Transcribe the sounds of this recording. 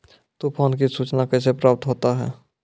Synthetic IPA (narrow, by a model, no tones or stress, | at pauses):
t̪upʰoːnk̬isuːt͡ʃnakɛːs̬epɾaːp̚t̪ɦoːt̪aɦɛ̰ː